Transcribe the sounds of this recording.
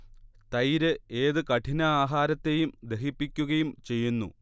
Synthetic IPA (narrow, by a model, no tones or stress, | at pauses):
t̪ɐjɾɨe̞ːðɨkɐʈʰinɐaːɦaːɾɐt̪ːe̞jumd̪e̞ɦipːikʲːuɣɐjumt͡ɕe̞jːunːṵ